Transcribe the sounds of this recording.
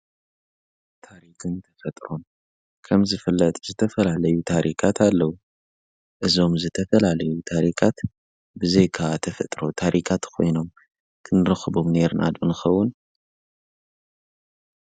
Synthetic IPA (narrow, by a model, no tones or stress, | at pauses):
t̪ʰaɾikʰɨnt̪ʰɐfɐt̪ʼɾun | kʰɐmzɨfɨlːɐt̪ʼzɨt̪ʰɐfɐlalɐjut̪ʰaɾʔikʰat̪ʰalːɐwu | ʔɨzo̞mzɨt̪ʰɐfɐlalɐjut̪ʰaɾikʰat̪ | bɨzejkʰat̪ʰɐfɐt̪ʼɾo̞t̪ʰaɾʔikʰat̪kʰo̞̰jno̞m | kʰɨnɨɾɨxɨbo̞mne̞ɾnʔa̰d̪ɨnɨxɐwːʊn